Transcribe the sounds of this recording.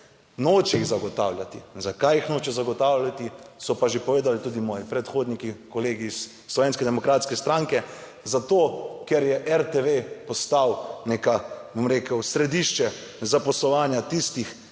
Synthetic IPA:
noːt͡ʃɛiɣzaɡɔt̪a̰ːwlʲjat̪izakajixnoːt͡ʃɛzaɡɔt̪aːwlʲat̪isɔpaʒepɔʋeːd̪alit̪uːd̪imɔːjipɾɛt̪xoːd̪nikikɔleːɡiːsː | lɔʋeːnskɛd̪ɛmɔkɾaːt̪skɛst̪ɾaŋkɛ | zat̪oːkɛɾjɛʔɛɾt̪eʋepɔst̪awneːkabomɾeːkəwsɾɛd̪iʃt͡ʃɛ | zapɔslɔʋaːnjat̪ist̪ix

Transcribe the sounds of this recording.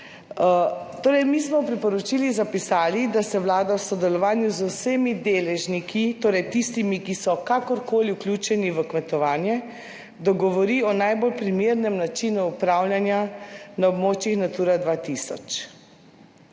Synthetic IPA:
t̪oːɾɛjmiːsmɔwpɾipɔɾɔt͡ʃilizapisaːlid̪asɛʋwlaːd̪awsɔd̪ɛlɔʋaːnjuzusemid̪eːlɛʒnikʰit̪oːɾɛjt̪ist̪imikisɔkakɔɾkoːliuklʲuːt͡ʃɛniʋəkmɛt̪ɔʋaːnjɛ | d̪ɔɡɔʋɔɾiːɔnajbolpɾimeːɾnɛmnat͡ʃinuːpɾawlʲjanjanaɔbmoːt͡ʃjixnat̪uːɾad̪ʋat̪isɔ̰t͡ʃ

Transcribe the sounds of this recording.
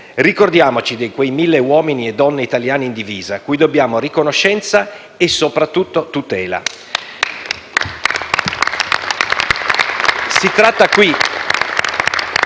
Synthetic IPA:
rikord̪jaːmot͡ʃid̪ejkwejmilːewɔːminied̪ːɔnːeit̪aljaːneind̪iviːzakujd̪objaːmorikonoʃːɛnt̪sa | esːopɾat̪ːut̪ːot̪ut̪ɛːla̰ | sit̪ɾat̪ːakwi

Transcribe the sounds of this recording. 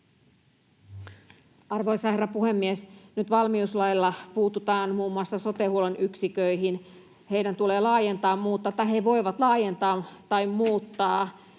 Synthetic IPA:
ɑrʋo̞isɑherːɑpuhe̞mːiesnyt̪ʋɑlmiuslɑjlːɑpuːt̪ut̪ɑːnmuːmːuɑsːɑso̞t̪ehuolenyksikøiɦin | he̞jdænt̪uleːlɑːjent̪ɑːmmuːt̪ːɑt̪ːɑɦeʋo̞jʋɑt̪lɑːjent̪ɑːt̪ɑjmmuːt̪ːɑː

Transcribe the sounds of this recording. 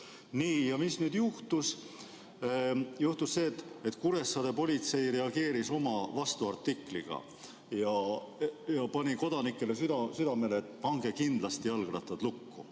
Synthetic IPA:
niːjɑmisnyːd̪̥juht̪us | juht̪usse̞ːt̪ːet̪ːˑkuɾe̞sːɑd̪e̞po̞lʲit̪se̞jre̞ɑɡe̞ːɾiso̞mɑvɑst̪uɑrt̪ːikˑlḭɡ̥ɑ̰ | jɑ | jɑpɑnʲiko̞d̪ɑnikˑːe̞le̞syd̪ɑsyd̪ɑme̞leːt̪ːˑpɑŋɡ̥e̞kind̪lɑst̪ijɑlɡ̥ɾɑt̪ːˑɑd̪̥lukːṵ

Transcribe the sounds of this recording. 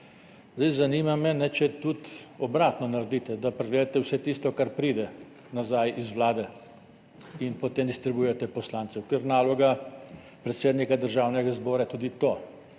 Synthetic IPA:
zd̪ɛɪzaniːmamɛnɛt͡ʃɛt̪ut̪ɔbɾaːt̪nɔnaɾd̪it̪ɛd̪apɾɛɡleːd̪at̪ɛwsɛt̪iːst̪ɔkaɾpɾiːd̪ɛ | nazajʔizʋlaːd̪ɛ | inpɔt̪eːmd̪ist̪ɾɛbujɛt̪ɛpɔslaːnt̪sɛwkɛɾnaːlɔɡa | pɾɛt̪seːd̪nikad̪əɾʒaːwnɛɡazbɔːɾat̪ud̪it̪oː

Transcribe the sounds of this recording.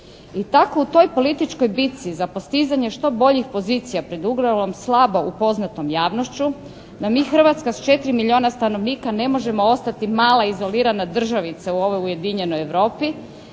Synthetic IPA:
it̪ako̞ut̪o̞jpo̞lit̪it͡ʃkojbit̪sizapo̞st̪izaɲe̞ʃt̪o̞bo̞ʎixpo̞ziːt̪sijapɾe̞d̪uɡlalo̞mslˠabo̞ʔupo̞znat̪o̞mjaːʋno̞ʃt͡ɕu | d̪amiːxr̩ʋat̪skast͡ʃe̞t̪ɾimilʎio̞ːnast̪ano̞ʋniːkane̞mo̞ʒe̞mo̞o̞st̪at̪imaːlˠaizo̞liːɾanad̪r̩ʒaʋit̪sauo̞ʋo̞juje̞d̪iɲe̞no̞jeʋɾo̞ːpi

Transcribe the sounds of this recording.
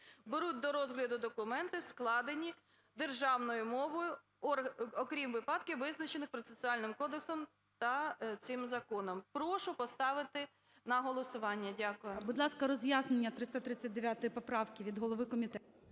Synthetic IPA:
beɾut̚ʲd̪ɔɾɔzɦlʲɐd̪ʊd̪ɔkʊmɛnt̪ɪsklˠɑd̪enʲi | d̪erʒɑwnɔjʊmɔʋɔjʊ | ɔɔkɾʲimʋɪpɑd̪̚kʲɪʋɪznɐt͡ʃenɪxpɾɔt̪sesʊɑlʲnɪmkɔd̪eksɔm | t̪ɐt̪sɪmzɐkɔnɔmpɾɔʃʊpɔst̪ɑʋɪt̪ɪ | nɐɦɔlˠɔsʊʋɑnʲːɐdʲakʊjʊbud̪lˠɑskɐɾɔzjaznenʲːɐt̪ɾɪst̪ɐt̪ɾɪt͡sʲːɐt̚ʲd̪eʋʲjat̪ɔjipɔpɾɑwkʲɪʋʲid̪ɦɔlˠɔʋɪkɔmʲit̪ɛt̪ʊ

